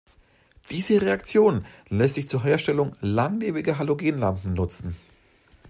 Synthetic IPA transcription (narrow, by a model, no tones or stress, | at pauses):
d̥iːzəʁeakt͡sjoːnlɛstz̥ɪçt͡suːɐɦeːɐʃtɛlʊŋlaŋleːbɪɡɐɦaloɡeːnlampm̩nʊt͡sn̩